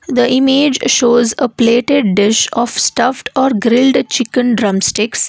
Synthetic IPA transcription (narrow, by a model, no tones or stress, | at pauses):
d̪əʔɪmeːd͡ʒʃoːzəpleːʈeɖ̚ɖɪʃɔːfsʈʌfʈʰɔːɾɡɾɪlɖt͡ʃɪkə̃nɖɾʌ̃msʈɪks